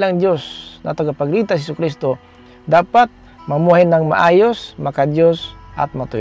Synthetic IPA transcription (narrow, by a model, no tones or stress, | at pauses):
laŋd̪josna̰t̪aɡapaɡɾit̪ashɛsʊkɾist̪o | d̪aːpat̪̚ | mamuɦajnaŋma̰ʔaːjosmakad̪josʔa̰t̪̚mat̪ʊj